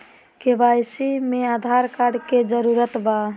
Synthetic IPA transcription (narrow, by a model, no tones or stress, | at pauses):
keʋajsimead̪ʱaɾkaɖked͡ʒəɾuɾət̪ba